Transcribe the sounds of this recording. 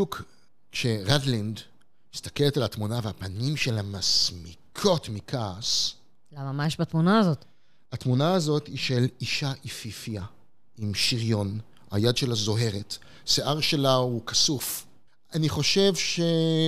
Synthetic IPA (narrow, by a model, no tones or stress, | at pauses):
uk | kʃe̞ʁadlind | ist̪ḁke̞letalatmunaveapanimʃe̞lamasmikʰo̞tmikʰaːs | lamamajeʃbat̪munaːzot̪ | atmunaːzo̞t̪iʃe̞liʃaʔififia | imʃiʁjo̞n | ha̰jad̪ʃe̞lazo̞ɦe̞ʁet | seʔaʁʃe̞laukasuf | aniχo̞ʃe̞vʃe̞